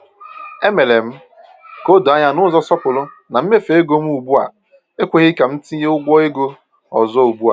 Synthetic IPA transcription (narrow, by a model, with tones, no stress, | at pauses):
e˦me˨le˨m̩˦ | ko˦do˨a˦ɲa˦nʊ˦zɔ˦sɔ˦pʊ˨lʊ˦ | na˨m̩˦me˦fe˨e˦ɡo˦m̩˦u˨bu˦a̰˨ | e˦kʷe˦ɣɪ˦ka˨m̩˦ti˦i˦ɦe˦ʊ˦ɡʷɔ˦e˦ɡo˦ | ɔ̰˨zɔ˦u˨bu˦a̰˨